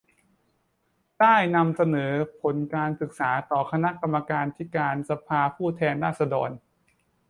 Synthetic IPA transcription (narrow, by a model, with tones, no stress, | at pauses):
t̪aː˥˩jna˧msa˧nɤː˩˦pʰo˩˦nkaː˧nsɯ˨˩k̚saː˩˦t̪ɔː˨˩kʰa˧na˦˥ʔka˧mːa˧kaː˧nt̪ʰi˦˥˩kaː˧nsa˧pʰaː˧pʰuː˥˩t̪ʰɛː˧nɾaː˥˩t̪̚sa˧dɔː˧n